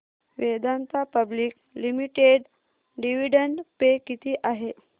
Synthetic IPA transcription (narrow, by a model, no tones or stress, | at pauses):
ʋed̪ant̪apəbliːk | limiʈeɖ | ɖiʋiɖəɳɖpekit̪iːʔaɦe